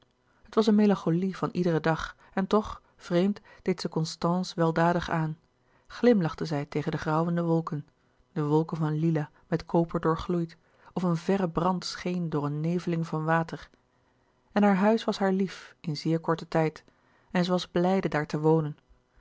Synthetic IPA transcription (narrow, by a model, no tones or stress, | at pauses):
ɦətʋɑsənmelɑ̃ŋχolivɑnʔidərədɑχ | ɛntɔχ | v̥rejmtd̥ejtsəkɔnstɑnsʋɛlˠdaːdəχaːn | χlɪmlɑχtəzɛjtejχəndəχrɑwəndəʋɔlˠkən | d̥əʋɔlˠkənvɑnlilaː | mɛtkʰowpəɹdʊːɹχlujt | ɔfənvɛrəbrɑntsχejndʊːɹənːejvəlɪŋvɑnʋaːtəɹ | ɛnɦaːɹɦœɥsʋɑsɦaːɹlifɪnzɪːɹkɔɹtətɛjt | ɛnzəʋɑzblɛjdədaːɹtəʋownən